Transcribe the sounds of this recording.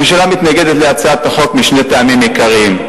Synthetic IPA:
ʃalamit̪naɡed̪et̪leat͡saat̪aχo̞kmiʃne̞t̪eamimikaʁiim

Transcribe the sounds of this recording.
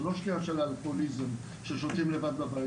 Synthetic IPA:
loʃkiaʃelalkolizem | ʃeʃot̪imlevad̪baba

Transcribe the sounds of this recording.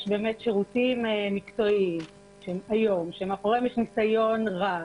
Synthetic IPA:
ʃbe̞ːmetʃeʁutimmikt͡so̞im | ʃeemajo̞mʃeemaχoʁemjɛʃnisajo̞nʁa

